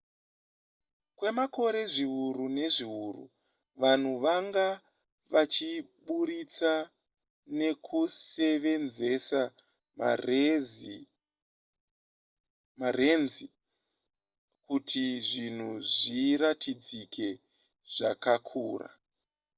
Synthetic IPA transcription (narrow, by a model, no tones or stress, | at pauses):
kwe̞mako̞ɾe̞ʐiuɾune̞ʐiurṵ | ʋan̤uʋaŋɡa | ʋat͡ʃiɓuɾit͡sa | ne̞kʰuse̞ʋe̞nze̞sa | m | mare̞nzi | kutʰiʐin̤uʐiɾatʰid͡zikʰe̞ | ʐ̥akakʰuːra̰